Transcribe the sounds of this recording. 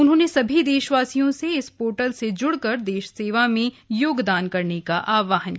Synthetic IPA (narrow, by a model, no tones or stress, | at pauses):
ʊnɦõːnesɐbʱid̪eːʃʋaːsijõseɪspoːɾʈəlsed͡ʒʊɽkɐɾd̪eːʃseːʋamẽ | joːɡd̪aːnkɐɾnekaʔaːʋaːɦənki